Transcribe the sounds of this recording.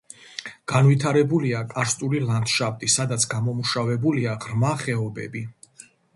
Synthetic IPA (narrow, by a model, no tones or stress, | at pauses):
ɡ̥anvit̪ʰaɾɛbuliakʼaɾst̪ʼuliland̪̥ʃap̚ʰt̪ʼisad̪at̪sʰɡamɔmuʃavɛbuliaʁɾmaχɛɔbɛ̰bi